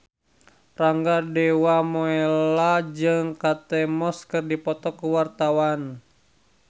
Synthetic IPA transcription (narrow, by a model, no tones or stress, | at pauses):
raŋɡadɛwamɔɛlad͡ʒɨŋkat̪ɛmɔskɨrdipɔt̪ɔkuwart̪awan